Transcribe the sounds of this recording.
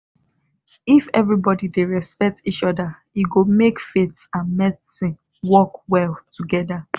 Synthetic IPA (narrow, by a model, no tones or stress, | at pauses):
ifɛvɹibɔdideɹɛspɛk̚tit͡ʃɔda | jiɡomekfetsãnmɛsĩ | wɔkwɛlˠtuɡɛda